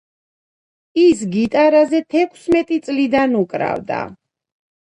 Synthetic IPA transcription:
is̬ɡit̪ʼaɾazɛt̪ʰɛkʰsmɛt̪ʼit̪sʼlid̪anukʼɾa̰vd̪a̰

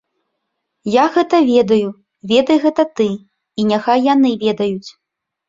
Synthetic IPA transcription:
jaɣɛt̪ɐvʲɛd̪ɐju | vʲɛd̪ɐjɣɛt̪ɐt̪ɨ | inʲaxajːanɨvʲɛd̪ɐjut͡sʲ

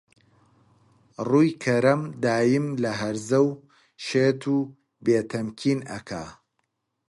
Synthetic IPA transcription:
ruːjkʰɐɾɐmd̪aːjɨmlɐɦɐɾzɐw | ʃeːt̪ʰuː | beːt̪ʰɐmkʰiːnɐ̰kʰa̰ː

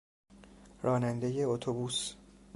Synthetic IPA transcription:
ɾɒːnænd̪e̞je̞ot̪ʰobuːs

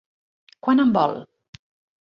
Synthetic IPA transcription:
kwanəmbɔ̰l

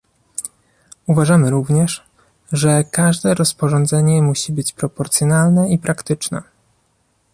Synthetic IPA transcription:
uvaʐamɘɾuvɲɛʂ | ʐɛkaʐd̪ɛɾɔspɔʐɔnd̪zɛɲɛmuɕibɘt͡ɕpɾɔpɔɾt̪sjɔnalnɛipɾʔakt̪ɘt͡ʂnɛ̰

